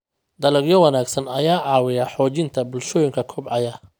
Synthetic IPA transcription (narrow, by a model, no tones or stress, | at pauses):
d̪ɐlɐɡjɔwɑnaːɡsɐnɐjaːʕɑːwɪjaħɔːt͡ʃɪnt̪ʰɐbʊlʃɔːjɪŋkʰɐkʰʊbʕɑjɐ